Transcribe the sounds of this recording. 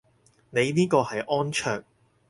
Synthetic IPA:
ne˨˧jniː˥kɔː˧hɐ˨jʔɔː˥nt͡ʃʰœː˧k̚

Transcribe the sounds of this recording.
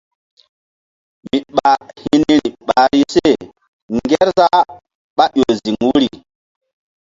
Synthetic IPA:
mi˨ɓa˨hi˦ni˦ɾi˨ɓa˨ɾi˦se˦˨ | ŋɡe˦ɾza˦ | ɓa˦ʔjo˨zi˨ŋwu˦ɾi˨

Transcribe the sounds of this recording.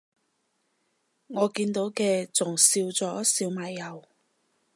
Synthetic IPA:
ŋɔː˨˧kiː˧nt̪o˨˥wkɛː˧t͡sʊ˨˩ŋsiː˧wt͡sɔː˨˥siː˧wmaː˨jːɐ˨w

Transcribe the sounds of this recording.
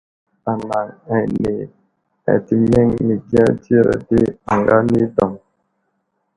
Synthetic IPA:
a˨na˨ŋɛ˨ne˨ | ɛ̰˨ti˨mɛ˦ŋmi˨ɡi˦ã˦d͡ʒi˦˨ɾa̰˨de˦a˨ŋɡa˦ni˦dɔ˨ŋ

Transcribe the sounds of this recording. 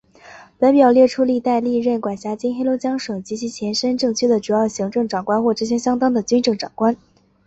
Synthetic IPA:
pa˧˥p̬jɑ˨˩ʊljɛ˥˩ʈ͡ʂʰu˥li˥˧t̪a˥˧ɪli˥˧ɻə˥˩nkwa˨˩nɕja˧˥t͡ɕi˥nxe˥lo˧˥ʊt͡ɕjɑ˥ŋʂɤ˨˩ŋt͡ɕi˧˥t͡ɕʰi˧˥t͡ɕʰjɛ˧˥nʂə˥nʈ͡ʂɤ˥˩ŋt͡ɕʰy˥d̪ə˨ʈ͡ʂu˨˩jɑ˥˩ʊɕi˧˥ŋʈ͡ʂɤ˥˩ŋʈ͡ʂɑ˨˩ŋkwa˥nxwɔ˥˩ʈ͡ʂ̩˥˩ɕ̬jɛ˥ɕjɑ˥ŋt̪ɑ˥ŋd̪ə˨t͡ɕy˥nʈ͡ʂɤ˥˩ŋʈ͡ʂɑ˨˩ŋkwa˥n

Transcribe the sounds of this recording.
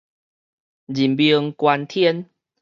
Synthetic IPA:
d͡ʑi˨˩mbjə˧ŋkwa˧nt̪ʰjɛ˦n

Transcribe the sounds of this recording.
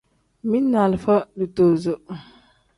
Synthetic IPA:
mĩ˦nːa˨lfa˦du˨to˨zo˨

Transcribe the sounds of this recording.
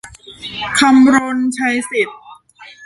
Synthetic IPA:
kʰa˧mɾo˧nt͡ɕʰa˧jsi˨˩t̪̚

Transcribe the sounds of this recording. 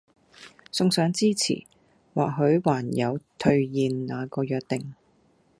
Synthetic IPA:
sʊ˧ŋsœː˨˥ŋt͡siː˥t͡sʰḭː˨˩ | waː˨k̚ɦɵ˨˧˥ɥwaː˨˩njɐ˨˧wt̪ʰɵ˧ɥjiː˨nnaː˨˧kɔː˧jœː˨˧k̚t̪ɪ˨ŋ

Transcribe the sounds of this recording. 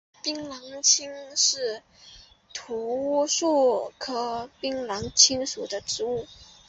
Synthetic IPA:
pi˥ŋlɑ˧˥ŋt͡ɕʰi˥ŋʂɻ̩˥˩ | t̪ʰu˧˥ʂu˥˩kʰɤ˥pi˥ŋlɑ˧˥ŋt͡ɕʰi˥ŋʂu˨˩d̪ə˦ʈ͡ʂɻ̩˧˥u˥˩

